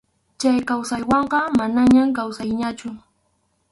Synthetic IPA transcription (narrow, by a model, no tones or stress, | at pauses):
t͡ʃajkawsajwɑɴɢɑmanaɲamkawsajɲat͡ʃʊ